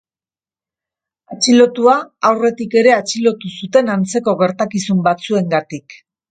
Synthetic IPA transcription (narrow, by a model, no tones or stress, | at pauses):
at͡ʃilo̞t̪uaawre̞t̪ike̞ɾe̞at͡ʃilo̞t̪usut̪e̞nant͡se̞ko̞ɣe̞ɾt̪akisumbat͡sue̞ŋɡat̪ik